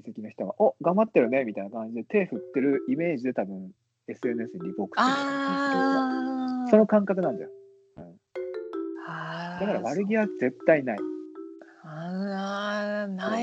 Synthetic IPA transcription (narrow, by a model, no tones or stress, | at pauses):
sekʲinoçi̥t̪oɡa̰ʔoɡãmbat̪ːe̞ɾɯ̟ne̞mʲit̪ainakãɲ̟d͡ʑid̪e̞t̪e̞ːɸɯ̟t̪ːe̞ɾɯ̟ime̞ːʑid̪e̞t̪abɯ̟̃ŋ̃ | e̞sɨe̞nɯesɨɲiɾʲipo̞ːkɯ̥t̪oaso̞no̞kãŋkakɯ̟nãɲ̟d͡ʑa̰o | ɯ̟̃ɴ | had̪akaɾaβaɾɯ̟ɡʲiβaze̞t̪ːainai | na